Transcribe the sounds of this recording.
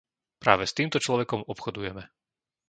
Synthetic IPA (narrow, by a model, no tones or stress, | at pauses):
pɾa̰ːʋɛst̪iːmt̪ɔt͡ʃlɔʋɛkɔmɔpxɔd̪ujɛmɛ